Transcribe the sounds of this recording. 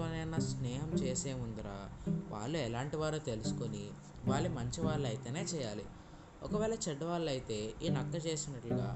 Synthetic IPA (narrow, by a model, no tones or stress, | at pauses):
oːnɛnɐsnɛːɦɐmt͡ʃeːseːmund̪ɐɾa̰ːʋa̰ːɭːuɛlaːɳʈiʋaːɾut̪e̞lusu̥koni | ʋaːɭːimɐɲt͡ʃiʋaːɭːɐjit̪eːne̞ːt͡ʃɛːjaːli | ɔkɐʋɛːlɐt͡ʃɛɖːɐʋaːɭɐjit̪e̞ːiːnɐkːɐt͡ʃe̞ːsinɐʈluɡa̰ː